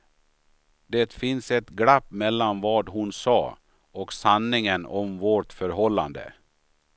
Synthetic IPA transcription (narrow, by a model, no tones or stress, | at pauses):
d̪ɛt̪fɪnsɛt̪ɡɽapːmɛlːanvɑːd̪ɦʊnsɑ̰ː | ɔksanːɪŋənɔmvoʈfœɾɦɔlːa̰nd̪ə̰